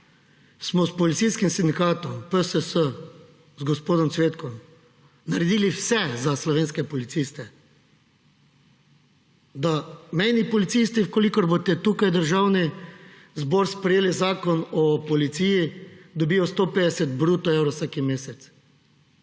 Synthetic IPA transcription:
smɔspɔlit̪siskimsind̪ikaːt̪ɔmpəsəsə | zɡɔspoːd̪ɔmt̪sʋeːt̪kɔm | naɾɛd̪iːliwsɛzaslɔʋeːnskɛpɔlit̪sist̪ɛ | d̪amɛjnipɔlit̪sist̪iwkɔlikɔɾbot̪ɛt̪ukajd̪əɾʒaːwni | zbɔɾspɾɛjeːlizaːkɔnɔpɔlit̪sijid̪ɔbiːjɔst̪oːpeːd̪ɛsɛt̪bɾuːt̪ɔewɾɔwsaːkimeːsɛt̪s

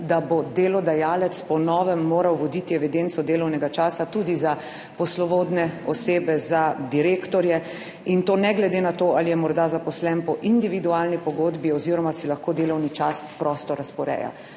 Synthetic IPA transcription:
d̪abod̪eːlɔd̪ajaːlɛt̪spɔnɔːʋɛmːoːɾawʋɔd̪it̪iɛʋid̪ent̪sɔd̪eːlɔwnɛɡat͡ʃaːsat̪uːd̪iza | pɔslɔʋoːd̪nɛɔseːbɛzad̪iɾeːkt̪ɔɾjɛ | int̪oːnɛɡlɛd̪eːnat̪oːʔalijɛmɔɾd̪azapɔslɛnpɔʔind̪iʋid̪uaːlnipɔɡoːd̪biɔziːɾɔmasilaxkoːd̪eːlɔwnit͡ʃaspɾɔːst̪ɔɾaspɔɾɛ̰ja̰

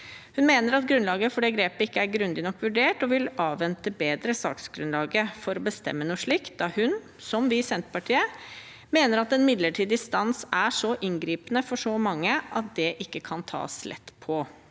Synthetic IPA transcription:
hʉnmeːnəɾɑt̪̚ɡɾʉnlɑːɡəfɔɖɛːɡɾeːpəɪkːəæɾɡɾʉnd̪ɪnɔkːʋʉɖeːʈɔʋɪlɑːʋʋɛnt̪əbeːd̪ɾəsɑ̰ːksɡɾʉnlɑːɡəfɔɾɔbəst̪ɛ̰mːənuːʂɭiːkt̪̚d̪ɑhʉn | sɔmʋɪsɛnt̪pɑʈʰiːə | meːnəɾɑt̪ɛnmɪd̪ləʈʰiːd̪ɪst̪ɑnsæʂɔʔɪnɡɾiːpənəfɔʂɔmɑŋːəʔɑt̪̚d̪ɛʔɪkːəkʰɑnt̪ʰɑ̰ːslʔɛ̰t̪ːpʰɔ

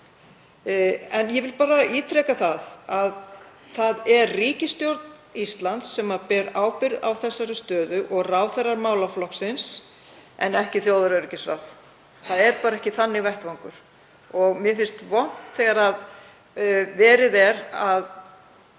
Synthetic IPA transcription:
ɛnjɛvɪlpaːɾaiːt̪ɾɛkaθaðað | θaðɛɾːiːcɪst̪jowɾt̪n | ist̪lant̪sːɛːmapɛɾaːwpɪɾða̰wθɛsːaɾʏst̪œːðʏʔɔɣraːwθɛrːaɾmaːwlaflɔksɪns | ɛ̰nɛhcɪθjowðaɾʏricɪsɾa̰wθ | θaðɛɾpaːɾaɛhcɪθanːɪvɛht̪vaŋkʏɾ̥ | ɔɣmjɛfɪn̥st̪vɔn̥t̪θɛɣaɾað | vɛːɾɪðɛɾað

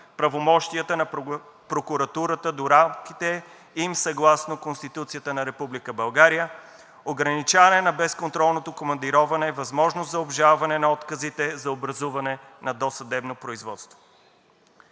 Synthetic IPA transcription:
pɾɐvomɔʃt̪iət̪ənɐ | pɾokuɾɐt̪uɾət̪əd̪oɾamkit̪ɛ | imsɐɡlˠasnokonst̪it̪ut̪sijət̪ənɐɾɛpublikəbɐlˠɡaɾijə | oɡɾɐnit͡ʃavɐnɛnɐbɛskont̪ɾɔlˠnot̪okomɐnd̪iɾɔvɐnɛvɐzmɔʒnoszɐobʒalˠvɐnɛnɐɔt̪kəzit̪ɛzɐobɾɐzuvɐnɛ | nɐd̪ɔsɐd̪ɛbnopɾoizvɔt̪st̪vo̥

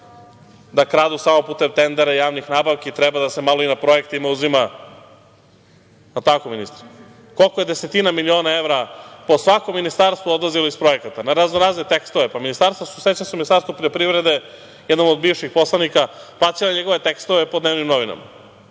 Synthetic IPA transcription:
d̪akɾaːd̪usamopuːt̪emt̪e̞nd̪eɾajaːʋnixnaːbaʋkeit̪ɾɛbad̪ase̞malˠo̞inapɾo̞ekt̪imauzima | at̪akominist̪ɾ | kolˠkojed̪eset̪inamilio̞ːnaeʋɾapo̞sʋakomːinist̪aɾst̪vuod̪laziloispɾo̞jekat̪anaɾaznoɾaːznet̪ekst̪oʋe̞paminist̪aɾst̪vosuset͡ɕensuminist̪aɾst̪ʋupɾiʎopɾivɾed̪e̞ | jed̪nomod̪̚biʋʃixpo̞slˠanikaplˠaːt͡ʃ̪ilaɲeɡo̞ʋe̞t̪ekst̪oʋepod̪neːʋnimno̞ʋina̰ma̰

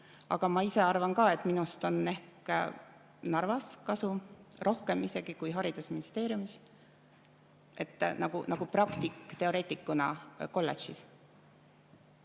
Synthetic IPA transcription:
ɑ̰ɡ̥ɑmɑise̞ɑrvɑnkɑːe̞t̪ːˑminust̪o̞ne̞hk | nɑrvɑskɑsurʔo̞hke̞mise̞ɡ̥ikujɦɑɾid̪̥usminist̪e̞ːɾjumis | e̞t̪ːˑnɑɡ̥unɑɡ̥uprɑkt̪ikːt̪e̞o̞ɾe̞ːt̪ʲːˑikːˑunɑko̞lːet͡ʃis

